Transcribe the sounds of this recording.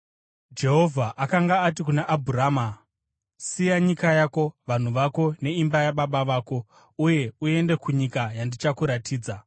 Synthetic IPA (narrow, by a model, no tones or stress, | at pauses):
d͡ʒe̞ɦo̞vʱaʔakaŋɡaːtikunaʔabʱuɾaːma | sijaɲikajako̞ʋan̤uʋako̞ne̞imbajaɓaɓaʋaːko̞ | uje̞ue̞nde̞kuɲikajandit͡ʃakuɾatʰiːd͡za